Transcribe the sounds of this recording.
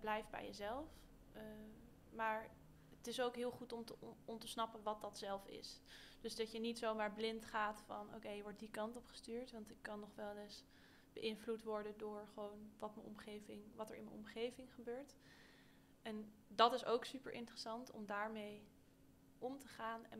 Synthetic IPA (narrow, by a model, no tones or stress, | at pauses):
blɛjftbɛ̰jəzɛlˠf | maːɹ | ətɪsowkɦɪːlˠχutɔmtəɔntəsnɑpənʋɑt̚dɑtsɛlˠfɪ̰sd̥ɵzdɑtjənitsowmaːɹblɪntχaːtfɑ̰no̰wkejəʋɔɹt̚dikɑntɔpχə̥styːɹtʋɑntɪkːɑnːɔχʋɛlˠɪs | b̥əʔɪnvlutʋɔɹdəndʊːɹχəʋownʋɑtmənɔ̰mχejvɪŋʋɑtəɹɪ̰nmənɔ̰mχejvɪŋχəbøːɹt | ɛndɑtɪsowksypə̰ɹʔɪ̰ntrəsɑntɔ̰mdaːɹmej | ʔɔmtəχaːnɛ